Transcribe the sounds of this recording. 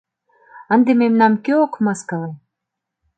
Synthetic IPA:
ə̆nd̪ememnɑmkeokmɑskɑvɑ

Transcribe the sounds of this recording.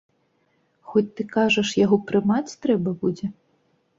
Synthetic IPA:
xɔt͡sʲt̪ɨkaʐɐʂjaɣɔpɾɨmat͡sʲt̪ɾɛbɐbud͡zʲɛ

